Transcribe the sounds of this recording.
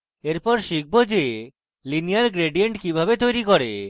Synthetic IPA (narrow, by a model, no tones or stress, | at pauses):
eɾpɔɾʃik̚ʰbod͡ʑe | linijaɾɡɾeɖijeɳʈkibʱabet̪ojɾikoɾḛ